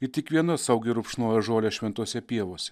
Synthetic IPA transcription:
ɪt̪ʲɪkʋʲiɛnɐsɐʊɡʲɪɾʊpʃnoːjɛʒoːlʲɛʃʲʋʲɛnt̪uɔsʲɛpʲiɛʋoːsʲɛ

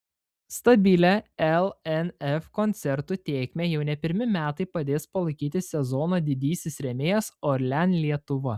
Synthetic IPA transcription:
st̪ɐbʲiːlʲæɛlˠɛnɛfkɔnʲt̪sʲɛɾt̪ut̪ʲeːkʲmʲeːjɛʊnʲɛpʲɪɾʲmʲɪmʲæːt̪ɐɪpɐd̪ʲeːspɐlˠɐɪkʲiːt̪ʲɪsʲɛzɔnoːd̪ʲɪd̪ʲiːsʲɪsɾʲɛmʲeːjɛsɔɾʲlʲɛnʲlʲiɛt̪ʊʋɐ

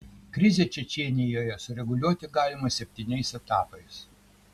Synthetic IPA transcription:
kɾʲɪzʲet͡ʃʲɛt͡ʃʲiɛnʲɪjoːjɛsʊɾʲɛɡʊlʲuɔt̪ʲɪɡɑːlʲɪmɐsʲɛpʲt̪ʲɪnʲɛɪsɛt̪ɑːpɐɪs

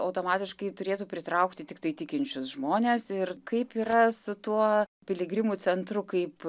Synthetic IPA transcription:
ɐʊt̪oːmɑːt̪ʲɪʃkɐɪt̪ʊɾʲeːt̪uːpʲɾʲɪt̪ɾɐʊkt̪ʲɪt̪ʲɪk̚t̪ɐɪt̪ʲɪkʲɪnʲt͡ʃʲʊsʒmoːnʲeːsɪrkɐɪpiːɾɐsʊt̪uɔpʲɪlʲɪɡɾʲɪmuːt͡s̪ʲɛnt̪ɾʊkɐɪp

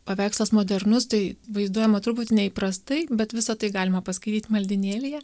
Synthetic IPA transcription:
pɐʋʲæːkslˠɐsmoːd̪ʲɛɾnʊst̪ɐɪʋɐɪzd̪uɔjɛmɐt̪ɾʊput̪ʲɪnʲɛipɾɐst̪ɐɪbʲɛt̪ʋʲɪsɐt̪ɐɪɡɑːlʲɪmɐpɐsʲkɐɪt̪ʲiːt̪ʲmɐlʲd̪ʲɪnʲeːlʲɪjɛ

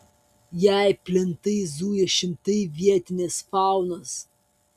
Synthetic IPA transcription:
jæˑɪpʲlʲɪnt̪ɐɪzuːjɛʃʲɪmt̪ɐɪʋʲiɛt̪ʲɪnʲesfɑˑʊnos

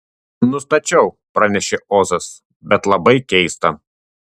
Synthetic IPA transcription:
nʊst̪ɐt͡ʃʲɛʊ | pɾɐnʲɛʃʲeoːzɐs | bʲɛt̪lˠɐbɐɪkʲɛɪst̪ɐ

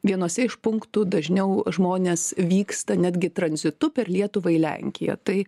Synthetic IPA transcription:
ʋʲiɛnuɔsʲɛɪʃpʊŋkt̪uːd̪ɐʒʲnʲɛʊʒmoːnʲeːsʋʲiːkst̪ɐnʲæd̪ʲɡʲɪt̪ɾɐnʲzʲɪt̪ʊpʲɛrlʲiɛt̪ʊʋɐɪlʲɛ̰ŋʲkʲɪjɛ̰t̪ɐɪ

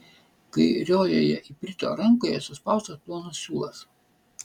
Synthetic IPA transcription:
kɐɪɾʲoːjo̰ːjɛʔipʲɾʲɪt̪ʲo̰ːɾɐŋˑkoːjɛsʊspɐˑʊst̪ɐsplˠoːnossʲuːlˠɐs

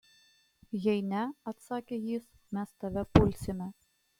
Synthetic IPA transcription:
jɛɪnʲɛɐt̪sɑːkʲeːjiːs | mʲɛst̪ɐʋʲɛpʊlʲsʲɪmʲɛ

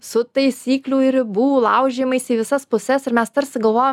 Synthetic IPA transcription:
sʊt̪ɐɪsʲiːklʲuːɪɾbuːʋoːlˠɐʊʒʲeːmɐɪsʲiːʋʲɪsɐspʊsʲɛsɪɾmʲɛst̪ɐɾʲsʲɪɡɐlˠʋoːjom

